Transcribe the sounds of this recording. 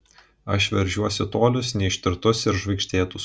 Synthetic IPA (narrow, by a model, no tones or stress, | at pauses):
ɐʃʋʲɛɾʲʒʲuɔsʲɪt̪oːlʲʊsnʲɛɪʃʲt̪ʲɪɾt̪ʊsɪɾʒʋɐɪkʃʲt̪ʲeːt̪ʊs